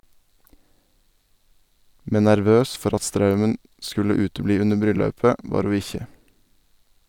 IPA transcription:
ˈmɛn næɾˈʋøːs ˈfɔɾ ˈɑt ˈstɾɑʉmən ˈskʉlə ˈʉːtəˌbliː ˈʉnəɾ ˈbɾʏˌlɑʉpə ˈʋɑːɾ ˈhuː ˈɪçə

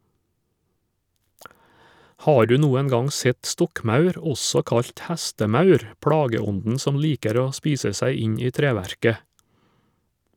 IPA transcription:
ˈhɑː ˈɖʉː ˈnuːɛn ˈɡɑŋ ˈsɛt ˈstɔkˌmɑʉɾ ˈɔsɔ ˈkɑʎc ˈhæstəˌmɑʉɾ ˈpɽɑːɡəˌɔndn̩ ˈsɔm ˈliːkəɾ ˈoː ˈspiːsə ˈsæɪ ˈɪɲ ˈiː ˈtɾeːʋæɾkə

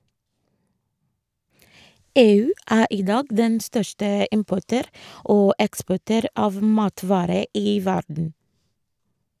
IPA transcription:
ˈeːˌʉː ˈʔæː ˈʔiː ˈdɑːɡ ˈdɛn ˈstœʃʈə ˈɪmpɔʈøːɾ ˈʔoː ˈɛkspɔʈøːɾ ˈɑːʋ ˈmɑːtʋɑːɾə ˈiː ˈʋæɖɳ̩

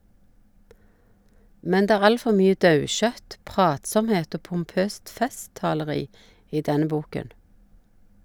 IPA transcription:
ˈmɛn ˈdeː ˈæːʁ ˈɑl ˈfɔ ˈmyːə ˈdɑʉˌʃœt ˈpʁɑːtˌsɔmˌheːt ˈoː pʊmˈpøːst ˈfɛˌstɑːləˌʁiː ˈiː ˈdɛnə ˈbuːkən

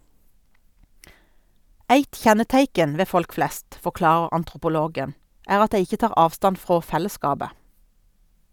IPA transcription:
ˈæɪt ˈçɛnəˌtæɪkən̩ ˈʋeː ˈfɔlk ˈflɛst fɔˈklɑːʁəʁ ɑntʁʊpʊˈloːɡən ˈæːʁ ˈɑt ˈdæɪ ˈɪçə ˈtɑːʁ ˈɑːʋˌstɑn ˈfʁoː ˈfɛləˌskɑːbə

